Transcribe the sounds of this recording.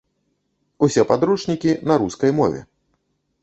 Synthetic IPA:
usʲɛpad̪ɾuʂnʲikʲinɐɾuskɐjmɔ̰vʲɛ̰

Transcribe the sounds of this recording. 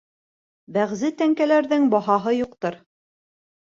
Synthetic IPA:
bæʁzɘt̪æŋkælæɾðɘŋbɑɦɑɦɤjuqt̪ɤɾ

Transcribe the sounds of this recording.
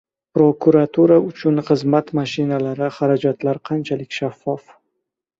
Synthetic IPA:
pɾokuɾat̪ʰuɾaʊt͡ʃʰʊnχɨzmat̪maʃɪnalaɾɪχaɾad͡ʒat̪laɾqʰɑnt͡ʃʰalɪkʲʃafːɒf

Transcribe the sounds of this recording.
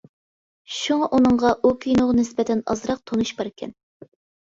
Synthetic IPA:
ʃuŋɑʔunɨɴʁɑʔukʲʰijnoʁnɪsbɛt̪ʰɛnɑ̰zɾɑq̚t̪ʰonuʃbɑɾɪkʲʰɛ̰n

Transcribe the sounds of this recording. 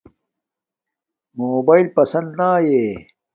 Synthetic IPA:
moːbaːilpɐsɐ̃nd̪naːjeː

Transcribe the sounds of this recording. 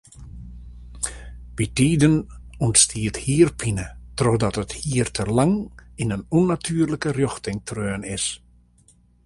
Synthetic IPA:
ʋitiːdənɔntstʰiəthiərpʰinətrɔxdɔtəthiːərtʰəlaŋinənɔnatʰyːərləkərjɔxtɪŋtʰrøːnɪs

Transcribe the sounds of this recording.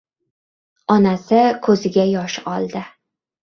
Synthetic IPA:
ɒnasɪkʰɵzɪɡʲajɒʃɒlˠd̪ɪ

